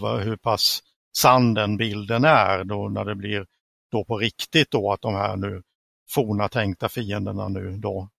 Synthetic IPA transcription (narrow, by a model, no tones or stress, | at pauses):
va̰ɦɵɾpʰasː | and̪ɛnbɪld̪ənæɾd̪ɔnæɖɛblɪɾ | d̪̥opʰɔɾɪkt̪ɪt̪̚d̪oat̪̚d̪ɔmɦæ̰ːɳʉ̟ː | fuːɳat̪ʰɛŋk̚t̪afiːənd̪əɳa̰nʉ̟ːd̪o